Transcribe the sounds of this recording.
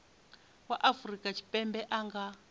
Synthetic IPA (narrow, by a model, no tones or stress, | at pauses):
waʔafurikʼat͡ʃʰi̥pʼɛmbɛʔaŋɡa